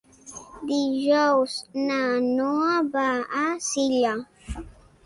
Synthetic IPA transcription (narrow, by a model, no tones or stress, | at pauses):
d̪iʒɔwsnanoabaasiʎa